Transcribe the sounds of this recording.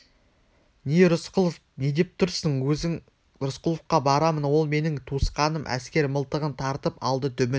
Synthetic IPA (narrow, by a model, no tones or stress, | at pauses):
neɾʊsqəlˠf | ned̪e̞p̚t̪ʰʊɾsəɴɵɪŋ | ɾʊsqəlˠəfqɑbɑɾɑmənwo̞lˠme̞nɪŋt̪ʰusqɑnəmʔæ̰skʲe̞ɾməlˠt̪əʁənt̪ʰɑɾt̪əpɑlˠd̪ət̪ʰʏmɪn